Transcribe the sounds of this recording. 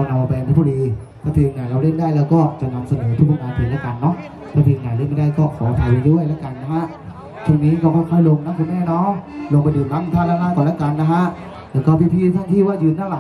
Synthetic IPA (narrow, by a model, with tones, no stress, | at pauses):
ɔ˧˩na˧ma˧p̪ʰa˦˥bu˧liː˧ | t̪ʰaː˥˩t̪ʰiː˧mna˨˩la˧˩ɾe˥˩ndaː˥˩˨jlɛː˦˥wkɔː˥˩t͡ɕa˨˩ʔna˧msa˧nɤː˩˦t̪ʰu˦˥aː˧˩maː˧p̪ʰe˨˦nlaː˦˥˩ka˧nːɔ˦˥ʔ | t̪ʰaː˥˩t̪ʰiː˧mɲa˨˩ɾe˥˩nma˥˩daː˥˩jkɔː˥˩kɔː˩˦t̪ʰa˧˩jwa˧˩ɾuː˥˩ə˨jlaː˦˥ka˧nːa˦˥˩kʰa˦˥ʔ | t͡ɕʰu˧˩niː˦˥kɔː˥˩kʰɔː˥˩kʰɔː˥˩jlo˧ŋna˦˥ŋkʰo˧˦nmɛː˧˥˩nɔː˦˥˨ŋlo˧ŋpa˧jdɯː˨˩nla˦˥˩ŋt̪ʰaː˥˩laː˧˥˩laː˧˥˩k̪ɔː˨nlɛː˦˧˥ka˧nːa˦˥kʰa˦˥ʔ | lɛː˦˧˥wkɔː˥˩pʰiː˧˩t̪ʰiː˥˩t̪ʰaː˧˥˩ŋt̪ʰiː˥˩waː˧˥˩jɯː˨˩nt̪a˥˩la˨˩